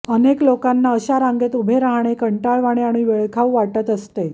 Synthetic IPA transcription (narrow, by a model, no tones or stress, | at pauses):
əneklokanːaəɕaɾaŋɡet̪ubʱeɾaɦɳ̃ekəɳʈaɭʋaɽ̃eaɽ̃iʋeɭkʰawʋaʈət̪əst̪e